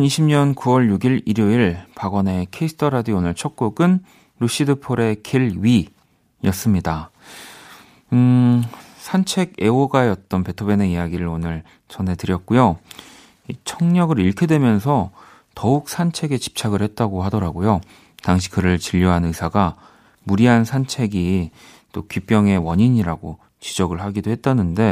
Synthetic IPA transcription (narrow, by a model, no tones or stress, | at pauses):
ʌniɕʰimɲʌnkuwʌɭjuɡiɭiɾjoiɭpaɡʌne̞kʰe̞is͈ʰɯ̥tʰʌɾadionɯɭt͡ɕʰʌk̚k͈oɡɯn | ɾuɕ͈idɯpʰoɾe̞kʰeɭɥi | jʌs͈ɯmɲida | sʰant͡ɕʰe̞ɡe̞oɡaeʌt̚t͈ʌnpe̞tʰobe̞ne̞ijaɡiɾɯɾonɯɭ | t͡ɕʌnɦe̞tɯɾjʌt̚k͈ujo | it͡ɕʰʌŋɲʌɡɯɾiɭkʰedwe̞mjʌns̬ʰʌ | tʌuk̚s͈ʰant͡ɕʰe̞ɡe̞t͡ɕi̥p̚t͡ɕʰaɡɯɭhe̞t̚t͈aɡohadʌɾaɡojo | taŋɕ̬ʰi̥kɯɾɯɭt͡ɕiʎːʌɦanɯsʰaɡa | muɾiɦansʰant͡ɕʰe̞ɡi | t͈okip͈jʌŋe̞wʌɲiɲiɾaɡo | t͡ɕid͡ʑʌɡɯɭɦaɡidoɦe̞t̚t͈anɯnde̞